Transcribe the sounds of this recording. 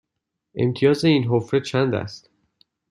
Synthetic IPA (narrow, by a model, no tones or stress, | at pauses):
ʔe̞̰mt̪ʰijɒːze̞iːnɦofɾet͡ʃʰænd̪æ̰st̪